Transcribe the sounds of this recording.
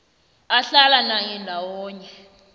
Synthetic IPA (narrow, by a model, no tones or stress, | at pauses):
aɬalanajɛndʱawɔːɲɛ